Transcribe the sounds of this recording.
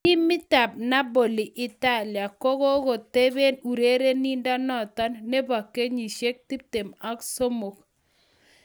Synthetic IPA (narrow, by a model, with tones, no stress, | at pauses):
i˦mɪ˦ta˨p̚na˦bo˨li˨ʔɪ˨ta˦˨lja˨ko˦kɔ˦ko˨te˦βe˦nu˨ɾe˦ɾe˦ni˦nda˦nɔ˦˨tɔ˦nːe˦ba˨kːe˦ɲi˨ʃe˦k̚ti˦p̚te˨ma˦kso˦mo˨k̚